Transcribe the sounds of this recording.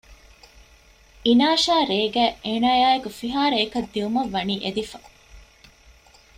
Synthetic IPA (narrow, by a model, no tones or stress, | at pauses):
inaːʃaːɾeːɡæːʔeːnaːjaːekufiɦaːɾeːkɐd̪ːiumɐʋːɐniːʔed̪ifɐ̥